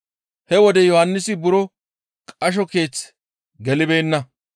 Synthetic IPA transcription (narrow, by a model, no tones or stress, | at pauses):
hɛwɔd̪ɛjɔhɐnːɪsɪbʊɾɔ | kʼɐʃ̬ɔke̞ːt͡s | ɡɛlɪbe̞ːnːɐ